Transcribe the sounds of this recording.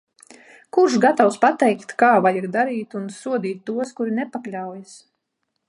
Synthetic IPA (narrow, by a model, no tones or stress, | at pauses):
kuɾʃɡat̪awspat̪ɛjkt̪kaːvajaɡd̪aɾiːt̪unsuɔd̪iːt̪ːuɔskuɾinɛpaklʲawjas